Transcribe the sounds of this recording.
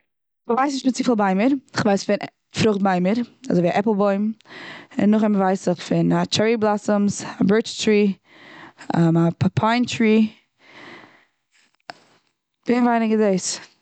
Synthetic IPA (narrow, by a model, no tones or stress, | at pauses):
məvaɪs̬nɪʃtmɪt͡sifəlˠbaɪməɾɪχvaɪsfɪn | fɾʊχt̚baɪməɾa̰zoɪiaʔɛplˠbɔɪm | ɪ̰nːʊχɛməvaɪsɪχfɪnat͡ʃɛɹiblˠasəmsabɜɹt͡ʃtɹiː | ɛmapʰaɪntɹiː | veːnvaɪnɪɡɪdeɪs